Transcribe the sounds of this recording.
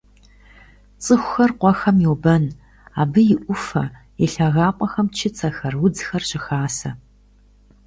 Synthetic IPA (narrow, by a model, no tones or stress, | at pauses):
t͡sʼɨxʷʊ̥xɐrqʷɔxɐmjiwbɐn | aːbɨjɪʔʷʊfɐ̰ | jɛɬaɣaːpʷʼɔxɐmt͡ʃʰɪt͡sʰʼɐxɐrwʊd͡zxɐrɕʼɪxaːsɐ